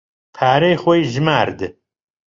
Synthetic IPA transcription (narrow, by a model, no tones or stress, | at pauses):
pʰaːɾejχʷɐjʒɨmaːɾd̪ɨ